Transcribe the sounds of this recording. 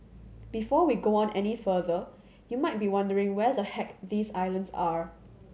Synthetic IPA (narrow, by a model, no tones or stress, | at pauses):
b̥ifɔwiɡoɔ̃nʔɛnifəðə | jumaɪt̚biwãndəɹɪ̃ŋwɛðəhɛk̚ðiːsaɪlə̃nsaɹ